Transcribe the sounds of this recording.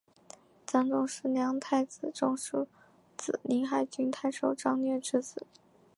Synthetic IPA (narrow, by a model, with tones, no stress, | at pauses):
t͡sɑ˥ŋʈ͡ʂʊ˥˧ŋʂɻ̩˥˩njɑ˧˥ŋt̪ʰa˥˩ɪt͡sɹ̩˨˩ʈ͡ʂʊ˥˧ŋʂu˥˩ | t͡sɹ̩˨˩ni˧˥ŋxa˧˩ɪt͡ɕy˥nt̪ʰa˥˧ɪʂo˨˩ʊʈ͡ʂɑ˥˧ŋnɥɛ˥˩ʈ͡ʂɻ̩˥t͡sɹ̩˨˩˦